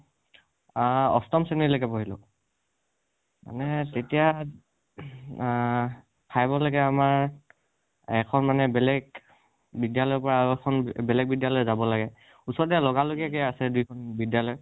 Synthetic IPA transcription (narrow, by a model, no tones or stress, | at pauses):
ɔ̰stɔmsenilokɛpoɦilʊ̰ | ma̰nɛtetija | pʰajbɔlaɡɛamaɹ | ɛkʰɔnmanɛbɛlɛɡ̚ | bidjalɔjɔpɔɹaɛkʰɔnbɛlɛɡ̚bidjalɔjzabɔlaɡɛ | usɔɹdɛalɔɡaloɡɛkɛasɛdujkʰɔnbidjalɔj